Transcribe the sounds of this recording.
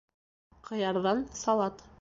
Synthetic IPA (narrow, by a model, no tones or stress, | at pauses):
qɤ̆jɑɾðɑnsɑlˠɑt̪